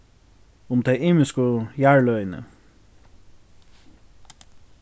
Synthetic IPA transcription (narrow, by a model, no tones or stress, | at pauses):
ʊmt̪ʰɛɪɪːmɪskʊjæɹlœʏnə̰